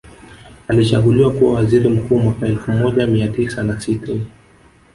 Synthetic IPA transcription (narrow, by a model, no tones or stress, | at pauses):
alit͡ʃa̰ɠuliwakuwawaziɾim̩kuːmwakaɛlfumɔʄamiatisanasita